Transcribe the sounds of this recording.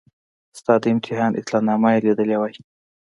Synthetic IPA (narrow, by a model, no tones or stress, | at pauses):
st̪ɑd̪əɪmt̪ʰɪɦɑnʔɪ̰t̪lɑnɑmajelid̪əlewaj